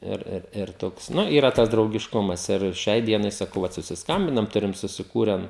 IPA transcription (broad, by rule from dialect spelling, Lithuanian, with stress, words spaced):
ˈɪr ˈɪr ɪr ˈtoːks ˈnʊ iːˈrɐ ˈtɐs drɐʊɡʲɪʃˈkʊmɐs ɪr ˈʃʲɛɪ ˈdʲiɛnɐɪ sɐˈkɐʊ ˈʋɐt sʊsʲɪsˈkɐmʲbʲɪnɐm ˈtʊrʲɪm sʊsʲɪˈkuːrʲɛn